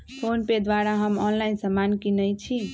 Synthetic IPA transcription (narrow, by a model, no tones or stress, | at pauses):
pʰonped̪waɾaɦəmɔnlainsəmankinəjt͡ʃʰi